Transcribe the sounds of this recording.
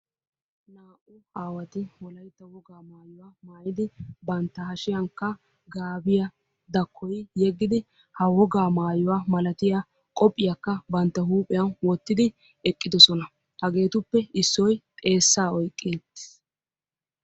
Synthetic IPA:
naːʔʊhaːwɐt̪ɪwɔlɐjt̪ːɐwɔɡaːmaːjʊwaːmaːjɪd̪ɪbɐnt̪ːɐhɐʃɪjɐŋkːɐ | ɡaːbɪjɐ | d̪ɐkʰːɔjjɛɡːɪd̪ɪ | hɐwɔɡaːmaːjɔwaːmɐlɐt̪ɪja | kʼɔpʼːɪjakːɐbɐnt̪ːɐɦuːpʼɛjɐnwɔt̪ːɪd̪ɪ | ɛkʼːɪd̪ɔsɔnɐ | hɐɡe̞ːt̪ʊpːɛɪsːɔjt̪ʼe̞ːsːaːɔjkʼːeːt̪ːɪ̥

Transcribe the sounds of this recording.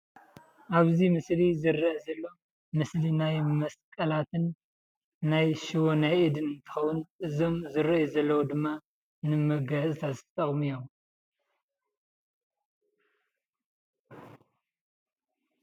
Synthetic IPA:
ʔaβzimɨslizɨɾːɐʔzɐlːo̞ | mɨslinajmɐskʼɐlat̪ʰɨnː | ajʃɨwonajʔɨd̪ɨnɨnt̪ʰɨ̥xɐwunʔɨzo̞mzɨɾɐʔjizɐlːɐwud̪ɨmːa | nɨmɐɡɐsʼɨt̪ʰazɨt̪ʰt̪ʰʼɐχʼmijom

